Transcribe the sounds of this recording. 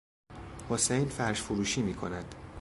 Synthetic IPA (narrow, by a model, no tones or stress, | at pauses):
hosejnfæɾʃfuɾuːʃiːmiːkʰo̞̰næd̪̥